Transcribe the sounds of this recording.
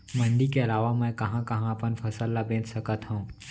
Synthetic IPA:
mɐ̃nd̪ikeɐlaːʋamɛ̃kɐɦãkɐɦãɐpənfʰɐsəlːabẽːt͡ʃsɐkət̪ɦõũː

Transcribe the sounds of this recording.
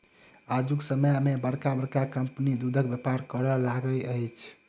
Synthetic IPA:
ad͡ʒuksəmjmebəɽkabəɽkakəmpnid̪ud̪ʱək̚bjəpaɾkəɾɔlaɡəəjt͡ʃʰ

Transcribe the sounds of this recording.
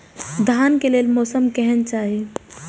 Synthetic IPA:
d̪ʱaːnkeleːlmɔːsəmkɛɦɛnt͡ʃaːɦi

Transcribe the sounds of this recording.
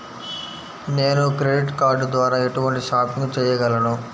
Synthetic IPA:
neːnukɾe̞ɖiʈkaːɾɖd̪ʋaːɾaːeʈuʋɐɳʈiʃaːpiŋɡut͡ʃɛːjɐɡɐlɐnu

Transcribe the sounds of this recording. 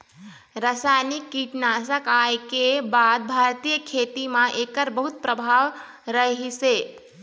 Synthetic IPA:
ɾasajnikːiʈnasəkajkebad̪̚bʱaɾt̪ijəkʰet̪imãʔekəɾbəɦut̪̚pɾəbʱaʋ | ɾəɦise

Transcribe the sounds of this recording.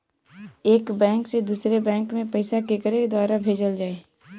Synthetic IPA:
eːkbɛ̃ːŋksed̪uːsɾebɛ̃ːŋkmẽpəɪsakekəɾekd̪waːɾabʱeːd͡ʒəld͡ʒaːeː

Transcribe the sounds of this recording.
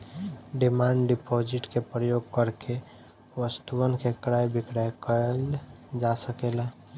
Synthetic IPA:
ɖimaɳɖɖipɔd͡ʒɪʈkepɾəjoɡkəɾke | ʋəst̪uənkekɾajbikɾajkəld͡ʒasəkela

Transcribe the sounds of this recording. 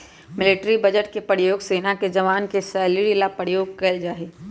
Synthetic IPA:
mɪlɪʈɾibɐd͡ʒəʈkepəɾjoːɡseːnaked͡ʒɐʋaːnkesɛːliɾilapəɾjoːɡ̚kɐld͡ʒaːeː

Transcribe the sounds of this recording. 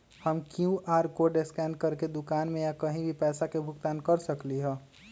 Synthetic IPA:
həmkjũʔaːɾkoɖeskɛ̃ːɳɖ̚kəɾked̪ʊkaːnmẽjakəɦĩbʱipɛːsakebʱʊkt̪aːnkəɾsəkliɦɛ̃ː

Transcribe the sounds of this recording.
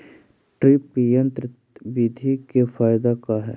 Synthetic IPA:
ʈɾipjə̃nt̪ɾɪt̪bid̪ʱikefaːjɪd̪akaɦɛː

